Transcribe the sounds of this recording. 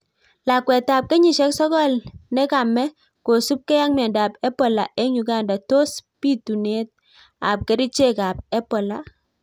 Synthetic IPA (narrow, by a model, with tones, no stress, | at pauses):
la˨kwɛ˨ta˨p̚ke˦ɲi˨ʃɛ˦ksɔ˦kɔ˦lnɛ˦ka˨mɛ˦ | ko˨su˦p̚ke˦ja˦ŋmɛ˨nda˨pɛ˦pɔ˨la̰˨ʔe˦ɲu˨ɡa˦nda˨to˦spi˦tu˨ne˦t̚ | a̰˨p̚ke˦ɾi˦t͡ʃe˦ka˨p̚ɛ˦pɔ˨la˨